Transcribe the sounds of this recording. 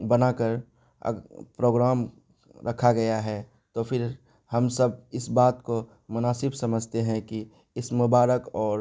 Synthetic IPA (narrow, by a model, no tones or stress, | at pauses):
bɐnakəɾ | ə̰pɾoːɡɾaːm | ɾɐkʰːaɡɐjaɦɛː | t̪opʰɪɾ | hɐmsɐb̚ɪsbaːt̪ko | mʊnaːsɪbsɐməd͡ʒʱt̪eɦɛ̃ki | ɪsmʊbaːɾəkɔːɾ